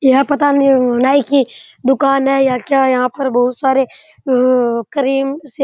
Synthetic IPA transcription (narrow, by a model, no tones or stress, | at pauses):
jɦapɐt̪aniɦɐnaːiki | d̪ʊkaːnɦɛjakjaːjɐɦãpɐɾbɐɦʊt̪saːɾe | kɐɾiːmse